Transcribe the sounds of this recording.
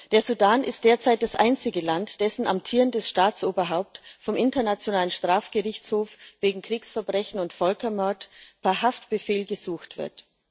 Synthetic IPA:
d̥eːɐzudaːnʔɪst̚d̥eːɐt͡saɪt̚d̥asʔaɪnt͡sɪɡəlantd̥ɛsn̩ʔa̰mtʰiːʁəndɛsʃtaːt͡sʔoːbɐɦaʊp̚tfɔmʔɪntɐnat͡sjonaːlənʃtʁ̥aːfɡ̥əʁɪçt͡shoːfveːɡŋ̩kʁ̥iːksfɛɐbʁɛçn̩ʊntfœlkɐmœɐtpʰɛɐɦaftb̥əfeːlɡəzuːxtv̥ɪ̰ɐt

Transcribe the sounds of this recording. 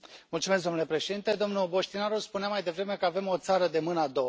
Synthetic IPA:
mult̪sumesɡd̪o̞nule̞pɾe̞ʃe̞d̪int̪e̞d̪o̞mnuobo̞ʃt̪inaɾospuneamajd̪e̞vɾe̞me̞kəave̞mo̞t̪saɾəd̪e̞mɨnəad̪o̞a

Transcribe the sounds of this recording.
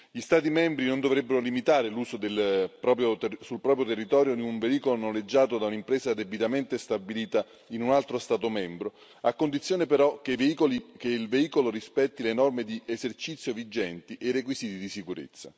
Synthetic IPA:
ʎist̪aːt̪imɛmbɾinond̪ovɾɛbːeɾolimit̪aːɾeluːsod̪elpɾɔpjosulpɾɔːpɾjot̪erːit̪ɔːɾjod̪iuɱveiːkolononled͡ʒːaːt̪od̪aunaimpɾeːsad̪ebit̪ament̪est̪abiliːt̪a | inunalt̪ɾost̪aːt̪omɛmbɾo | akːond̪it̪sjoːnepeɾɔkekeilveiːkoloɾispɛt̪ːilenɔrmed̪iezert͡ʃit̪sːjovid͡ʒɛnt̪iʔerːekwisiːt̪id̪isikuɾḛt̪sːa

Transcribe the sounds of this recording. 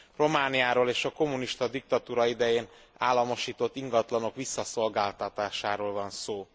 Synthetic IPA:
ro̞maːnijaːɾoːleːʃɒko̞muniʃt̪ɒd̪ik̚t̪ɒt̪uːɾɒid̪ɛjeːn | a̰ːlːɒmo̞ʃiːt̪o̞t̪ːiŋɡɒt̪lɒno̞kʋisːɒso̞lɡaːlt̪ɒt̪aːʃaːɾoːlvɒnsoː

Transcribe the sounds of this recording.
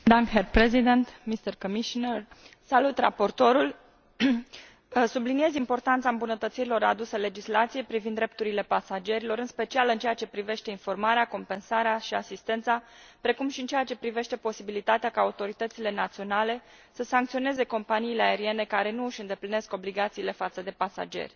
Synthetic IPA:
d̪aŋherpɾezid̪ent̪mist̪ərkomiʃonersalut̪ra̰po̞rt̪o̞ɾul | sublinie̞zimpo̞rt̪ant̪saɨmbunət̪ət̪siɾilo̞ɾa̰d̪usele̞d͡ʒislat̪sije̞jpɾivind̪ɾe̞p̚t̪uɾile̞pasad͡ʒe̞ɾilo̞ɾɨnspe̞t͡ʃialɨnt͡ʃe̞jat͡ʃe̞pɾive̞ʃt̪e̞info̞rmaɾeako̞mpe̞nsaɾeaʃiasist̪e̞nt̪sapɾe̞kumʃiɨnt͡ʃejat͡ʃe̞pɾive̞ʃt̪e̞po̞sibilit̪at̪eakaːut̪o̞ɾit̪ət̪sile̞nat̪sio̞nale̞ | səsaŋk̚t̪sio̞ne̞ze̞ko̞mpaniːle̞ae̞ɾie̞ne̞kaɾe̞nuɨʃɨnd̪e̞pline̞sko̞bliɡat̪siːle̞fat̪səd̪e̞pasa̰d͡ʒe̞̰rʲ

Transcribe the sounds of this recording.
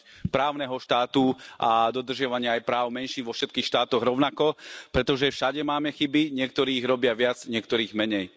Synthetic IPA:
pɾaːʊnɛɦɔʃt̪aːt̪uʔad̪ɔd̪r̩ʒɪaʋaɲɪaːjpɾaːʊmɛnʃiːnʋɔfʃɛt̪kiːxʃt̪aːt̪ɔɣɾɔʊnakɔpɾɛt̪ɔʒɛfʃaɟɛmaːmɛxibiɲɪɛk̚t̪ɔɾiːɣɾɔbɪaʋɪad͡zɲɪɛkt̪ɔɾiːɣmɛɲɛj

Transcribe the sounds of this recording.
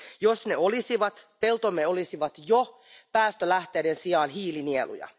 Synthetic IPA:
josne̞olisiʋɑt̪pe̞lt̪omːeolisiʋɑt̪jo | pæːst̪ølæht̪eːdensiɑːnɦiːlinielṵjɑ̰

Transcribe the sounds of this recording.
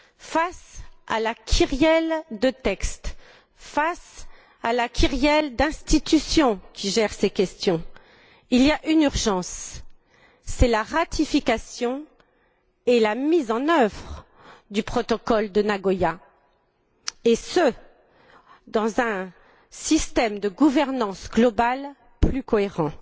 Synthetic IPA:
fasa̰lakʲʰyʁjɛld̪ət̪ɛkst̪ | fas | alakʲʰyʁjɛld̪ɛ̃st̪it̪ysjɔ̃kʲiʒɛʁsekʲɛst̪jɔ̃ | iliaʔynyʁʒɑ̃s | ɛlaʁat̪ʰifikasjɔ̃ | elamizɑ̃nœvʁ | d̪ypχɔt̪ɔkɔld̪ənaɡɔja | esə | d̪ɑ̃zɛ̃ | sist̪ɛmd̪əɡuvɛʁnɑ̃sɡlɔbal | plykɔeʁɑ̃

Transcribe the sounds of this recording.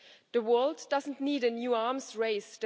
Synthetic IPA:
ðəwɜ˞lˠddʌz̃n̩tniːɾɨnjuːamzɹeɪst

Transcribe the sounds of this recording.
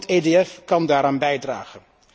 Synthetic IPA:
teːdeɛfkɑndaːɾaːnbɛjdraːχən

